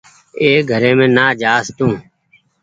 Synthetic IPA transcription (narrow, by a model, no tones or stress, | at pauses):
eːɡʱəɾẽːmẽːnaːd͡ʒaːst̪ũː